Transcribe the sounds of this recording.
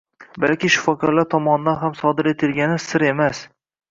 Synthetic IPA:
balkʲɪʃʊ̥fɒkʰɒɾlaɾt̪ʰɒmɒnɪd̪anɦamsɒd̪ɪɾe̞t̪ʰɪlɡʲanɪsɪɾe̞mas

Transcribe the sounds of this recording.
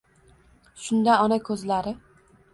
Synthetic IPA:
ʃʊnd̪aɒnakʲʰɵzlaɾɪ

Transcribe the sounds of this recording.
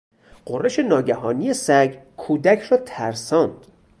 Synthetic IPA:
ɢ̥orːeʃenɒːɟæɦɒːnije̞sæɡ | kʰuːd̪æcʰrɒːt̪ʰæɾsɒːnd̪̥

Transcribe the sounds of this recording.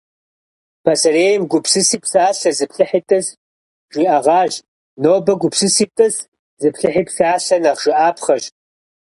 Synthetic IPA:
pʰɐsɐɾeːjɛmɡʷʊpsɨsiːpsaːɬɐzɨpʰɬɨħitʼɐs | ʒ̥ʷiʔɐʁɑːʒ | noːbɐɡʷʊpsɨsiːtʼɐs | zɨpɬɨħiːpsaːɬɐnɐχʒ̥ɪʔaːpʰχɐʒ

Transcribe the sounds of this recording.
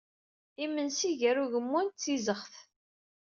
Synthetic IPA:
imːənsiʝæɾuʝəmːunt͡sːizəχθ

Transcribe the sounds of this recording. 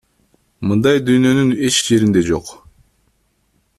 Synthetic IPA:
mɯnd̪ɑjd̪yjnø̞nyne̞t͡ʃd͡ʒe̞ɾind̪e̞d͡ʒo̞̰q

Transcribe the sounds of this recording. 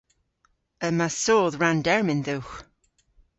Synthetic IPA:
əmasoːðɹandɛɹmɪnðuwx

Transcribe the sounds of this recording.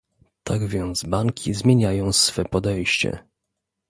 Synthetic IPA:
t̪ʰaɡvʲjɛnt̪sbaŋkʲʰizmʲjeɲajɔ̃w̃sfɛpɔd̪ɛjɕt͡ɕɛ̰

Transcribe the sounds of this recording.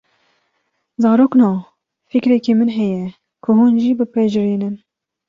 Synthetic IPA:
zɑːɾoːknɑː | fikɾɛkemɨnɦɛjɛ | kʰʊɦuːnʒiːbɨpɛʒɨɾiːnɨn

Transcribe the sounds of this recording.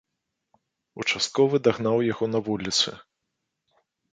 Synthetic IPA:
ut͡ʂast̪̚kɔvɨd̪aɣnawjaɣɔnɐvulʲit̪sɨ̰

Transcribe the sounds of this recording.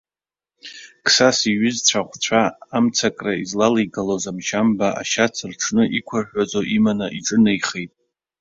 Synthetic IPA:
kʰsasiɥʏzt͡ɕʷʰaχʷt͡ɕʷʰaːmt͡sʰakʼraizlalajɡalozamʃambaa̰ʃat͡sʰɨrʈ͡ʂʰnɨʔikʷʰarħᶣʷad͡zoʔimanaʔiʈ͡ʂʼɨnajχejtʼ

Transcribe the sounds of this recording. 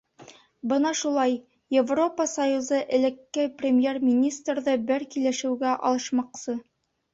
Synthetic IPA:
bɤnɑʃulˠɑj | jevro̞pəsɐjuzɤʔɘ̆lɘ̆kːɘprʲɪmʲjermʲinʲist̪rðɤbɘɾkilɘ̆ʃɘ̆wɡæʔɑ̰lˠɤ̆ʃmɑqsɤ

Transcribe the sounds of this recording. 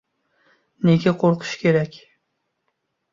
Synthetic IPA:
neɡʲaqʰoɾqʰɨ̥ʃkʲʰeɾækʲ

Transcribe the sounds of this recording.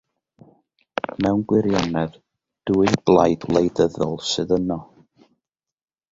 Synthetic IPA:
mɛwnɡwɪɾjanɛð | d̥uːɨdblˠajdwlˠejðəðɔ̰lˠsɨðənɔ

